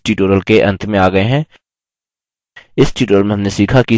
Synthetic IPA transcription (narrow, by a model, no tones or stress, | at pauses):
ʈiːʈoːɾəlkeʔɐ̃nt̪ʰmẽaːɡɐeɦɛ̃ː | ɪsʈiːʈoːɾəlmẽɦɐmnesiːkʰaki